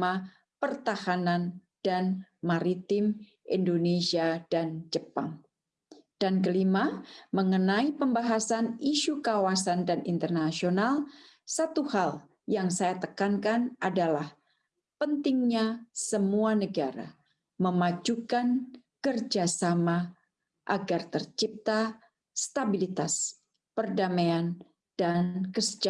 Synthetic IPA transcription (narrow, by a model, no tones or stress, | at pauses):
ma | pərt̪ahanan | d̥anmaɾit̪ɪm | ʔindonesiadand͡ʒəpaŋ | d̥ank̬əlimaməŋənaipəmbaɦasaniʃukawasandanḭnt̪ərnasionalsat̪uhal | jaŋsajat̪əkankanʔadalah | pənt̪ɪŋɲasəmuanəɡaɾa̰ | məmad͡ʒukankərd͡ʒasama | ʔaɡart̪ərt͡ʃip̚t̪aː | t̪abilit̪as | pərdamaan | d̥ankəsə̥d͡ʒa